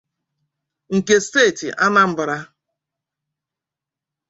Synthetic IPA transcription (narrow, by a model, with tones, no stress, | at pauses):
ŋ̩˨ke˨steː˦˨tḭ˨ʔa˦na˦m̩˦bʊ˨ɾa˦